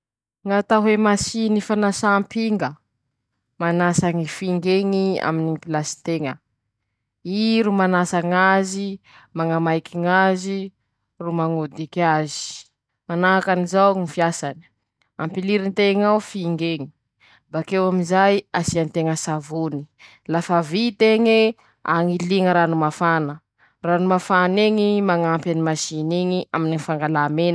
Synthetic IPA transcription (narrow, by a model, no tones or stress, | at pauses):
ŋat̪aɦemasinifanasaːmpiŋɡə | manasaŋifiŋɡeŋia̰minipilasi̥t̪eŋə | iɾumanasaŋazi | maŋamajkiŋazi | rumaŋud̪ikazi̥ | manaakanizawŋifiasani̥ | ampiliɾint̪eŋawfiŋɡeŋi̥ | bakewaminzajasiant̪eŋəsavuni | lafavit̪eŋe | a̰ŋiliŋəɾanumafanə | ranumafaneŋimaŋampjanimaʃiniŋiʔaminanfaŋɡalamenə